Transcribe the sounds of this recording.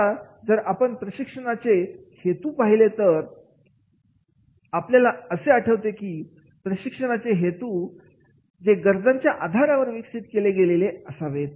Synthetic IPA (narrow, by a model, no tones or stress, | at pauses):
a | d͡zəɾapəɳpɾəɕikʂəɽat͡se | het̪uːpaɦilet̪əɾ | apljalaəseaʈʰəʋt̪ekiː | pɾəɕikʂəɽ̃at͡seɦet̪u | d͡zeɡəɾd͡z̪aɲt͡ɕjaʔad̪ʱaɾaʋəɾʋikʂit̪keleɡeleleəsaʋet̪